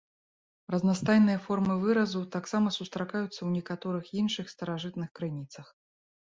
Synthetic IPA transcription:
rɐznast̪ajnɨjɐfɔrmɨvɨɾɐzut̪aksamɐsust̪ɾakajut̪sːɐwnʲɛkat̪ɔɾɨxinʂɨxst̪ɐɾaʐɨt̪nɨxkɾɨnʲit̪sɐx

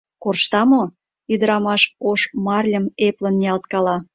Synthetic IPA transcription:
korʃt̪ɑmo | yd̪əɾɑmɑʃoʃmɑrlʲəmeplə̆nːiɑlt̪kɑlɑ

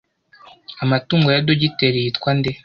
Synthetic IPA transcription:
amatuːŋɡojadoɟiteɾijitkwande

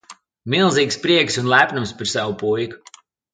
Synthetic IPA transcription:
milˠziːkspɾiɛksunlˠæpʲnumspaɾsawupujku̥

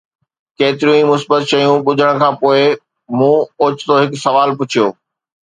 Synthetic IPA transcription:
keːt̪ɪɾijũĩmʊsbət̪̚t͡ɕɐjũɓʊd͡ʑʱəɽ̃̆kʰãːpoːɪ | mũːoːt͡ɕt̪oɦɪksɐʋaːlpʊt͡ɕʰijoː

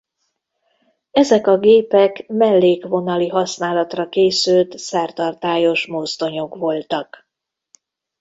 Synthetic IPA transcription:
ɛzɛkɒɡeːpɛkmɛlːeːkʋo̞nɒliɦɒsnaːlɒt̪rɒkeːsylt̪sɛrt̪ɒrt̪aːjo̞ʃmozd̪o̞ɲo̞kʋo̞lt̪ɒk

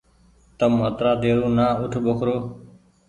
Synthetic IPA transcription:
t̪əmət̪ɾaːd̪eːɾũːnaːʊʈʰbʊkʰɾoː

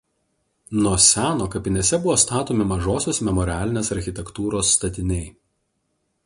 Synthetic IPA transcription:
nuɔsʲæːnoːkɐpʲɪnʲesʲɛbʊʋoːst̪ɑːt̪oːmʲɪmɐʒoːsʲoːsmʲɛmɔɾʲɪæːlʲɪnʲeːsɐɾʲxʲɪt̪ʲɛkt̪uːɾoːsːt̪ɐt̪ʲɪnʲɛɪ

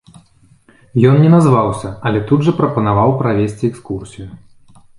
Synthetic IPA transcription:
jɔnnʲɛnazvawsʲɐɐlʲɛt̪ud̪ʐɐpɾɐpɐnavawpɾavʲesʲt͡sʲiɛkskursʲiju

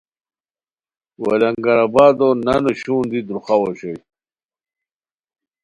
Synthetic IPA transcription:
wɐlɐŋɡɐɾabaːd̪onɐnoɕuːnd̪id̪ɾuχawoɕoj

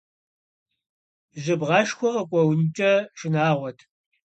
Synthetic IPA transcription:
ʒɨbʁɑːʃxʷɔqɐkʷʼɔwnt͡ʃʼɐʃɪnaːʁʷɔtʰ

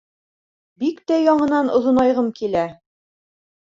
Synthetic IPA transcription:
bikt̪æjɒɴɤ̆nɑnŏðŏnɑjʁɤmkilæ

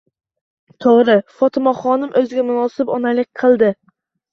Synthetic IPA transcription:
t̪ʰoʁɾɪfɒt̪ʰɪmɒχɒnɪmʔɵzɪɡʲamʊnɒsɪbɒnalɪk̚ʲqʰɨlˠd̪ɪ

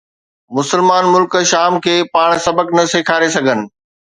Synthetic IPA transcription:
mʊsəlmaːnmʊlkʃaːmkʰeːpaːɽ̃sɐbəknɐseːkʰaːɾesɐɡʱənɪ̆

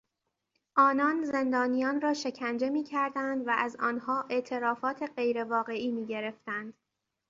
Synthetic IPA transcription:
ʔɒːnɒːnze̞nd̪ɒːnijɒːnrɒːʃe̞cʰænd͡ʒe̞miːcʰæɾd̪ænd̪væʔæzɒːnhɒːʔe̞ʔt̪ʰe̞ɾɒːfɒːt̪ʰe̞ɢe̞jɾe̞vɒːɣe̞iːmiːɟe̞ɾe̞ft̪ænd̪̥

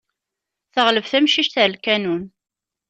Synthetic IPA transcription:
θəʁləvθæmʃiʃt̪æɾlkænun

